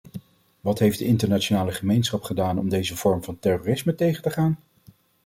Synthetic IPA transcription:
ʋɑtɦejfdəɪntəɹnat͡ʃonaːləχəmejnsχɑpχədaːnɔ̰mdejzəv̥ɔɹmvɑntɛroːrɪsmətejχəntəχaːn

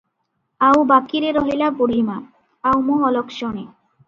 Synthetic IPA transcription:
awbakiɾeɾɔɦilapoɽ̤ʱima | awmoɔlɔkʃɔñe

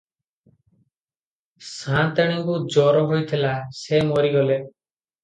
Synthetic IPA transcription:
sãnt̪eɽ̃iŋkud͡ʒɔɾɔɦojt̪ʰilasemoɾiɡɔle

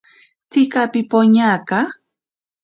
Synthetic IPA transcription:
t͡sɪkapɪpoɲaːka

